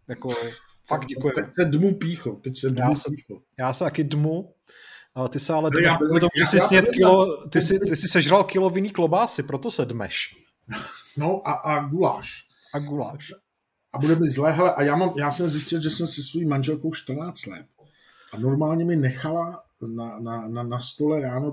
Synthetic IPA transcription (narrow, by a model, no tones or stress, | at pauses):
jako | faɡɟɛkujɛɛsɛdmupiːxot̪ɛcsɛdjamːausiːo | jaːsɛt̪akɪdmu | t̪ɪsɛalɛdɛt̪omuʒɛsɪsɲɛt̪kɪlot̪ɪsɪt̪ɪsɪsɛʒralkɪlovɪniːklobaːsɪpɾot̪osɛdmɛ̰ʃ | noʔaʔaɡulaːʃ | ʔaɡula̰ːʃ | ʔabudɛmɪzlɛːɦɛlɛʔajaːmamjaːsɛmzjɪscɪlʒɛsɛmsɛsvojimanʒɛlkowʃt̪r̩naːt͡st̪lɛ̰t̪̚ | ʔanoɾmaːlɲɛmɪnɛxala | nanananast̪olɛɾaːno